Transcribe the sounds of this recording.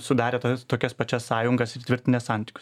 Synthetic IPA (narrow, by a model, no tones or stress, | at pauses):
sʊd̪ɑːɾʲeːt̪ɐt̪oːkʲɛspɐt͡ʃʲɛssɑːjʊŋɡɐsɪɾt̪ʲʋʲɪɾʲt̪ʲɪnʲeːsɑˑnʲt̪ʲɪ̥kʲʊs